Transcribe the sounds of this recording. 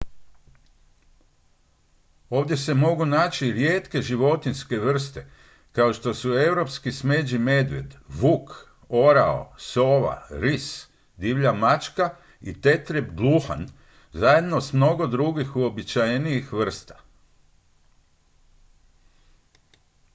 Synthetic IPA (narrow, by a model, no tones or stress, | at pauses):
o̞ːʋd̪je̞se̞mo̞ɡunaːt͡ʃiɾjeːt̪ke̞ʒiʋo̞t̪inske̞ʋr̩st̪e̞ | kao̞ʃt̪o̞sue̞wɾo̞pskisme̞d͡ʒime̞d̪ʋḛd̪ʋuk | o̞ɾao̰so̞ʋa̰ɾis | d̪iʋʎamat͡ʃka | it̪e̞t̪ɾibɡlˠuxa̰n | zaje̞d̪no̞smno̞ɡo̞d̪ɾuɡixuo̞bit͡ʃajnijixʋr̩st̪ḁ